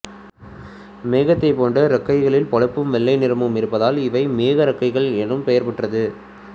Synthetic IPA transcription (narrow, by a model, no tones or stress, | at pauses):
meːɣɐt̪ːɐɪpoːɳɖɐɾɐkːɐɪɣɐɭɪlpɐɻɐpːɯmʋɛɭːɐɪnɪɾɐmɯmɪɾɯpːɐðaːlɪʋɐɪmeːɣɐɾɐkːɐɪɣɐɭɛɳɯmpɛjɐɾpɐʈrɐðɯ